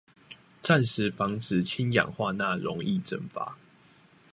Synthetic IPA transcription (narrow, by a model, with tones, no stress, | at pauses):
t͡sa˥˨nʂɻ̩˨˦fɑ˧˥ŋt͡s̩˨˩t͡ɕʰi˦njɑ̰˨˩ŋxwa˥˧na˥˨˩ɻɔ˧˦ŋi˥˨ʈ͡ʂə˥˨˩nfa̰˨˦